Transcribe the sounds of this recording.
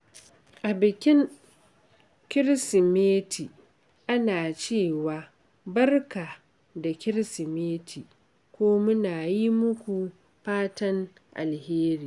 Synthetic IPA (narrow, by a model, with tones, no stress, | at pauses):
ʔa˨bɪ˨kʲɪ˦ŋ | kʲɪ˦ɾsɪ˨meː˦tʰi˨ | ʔa˦naː˨t͡ʃeː˦˨waː˨ | bɐ˦rka˨ | da˨kʲɪ˦ɾsɪ˨meː˦tʰi˨ | kʷoː˦mʊ˦naː˨ji˦mʊ˦kʷu˨ | ɸaː˦tɐ˦ŋ | ʔa̰˨lheː˦ɾiː˨